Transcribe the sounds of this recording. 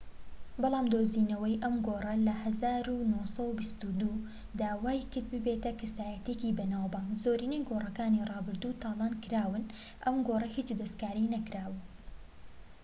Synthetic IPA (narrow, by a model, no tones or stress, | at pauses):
bɑlˠɑːmd̪oːziːnɐwɐjʔɐmɡoːrˤɐlɐhɐzaːɾunosɐwbist̪ud̪uː | d̪aːwaːjkɨɾd̪̚bɨbet̪ɐkʰɐsaːjɐt̪ecibɐnaːwbɑːŋɡzoːɾinejɡorɐkaːnirˤɑːbɨɾd̪uːt̪ɑːlˠɑːnkɨɾaːwɨn | ʔɐmɡoːrˤɐhiːt͡ʃd̪ɐst̪kaːɾinɐkɾaːwɨ